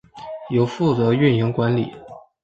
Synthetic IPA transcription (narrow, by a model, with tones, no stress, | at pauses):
jo˨˩ʊfu˥˩t͡sɤ˧˥ɥy˥˩nji˧˥ŋkwa˧˥nli˨˩˦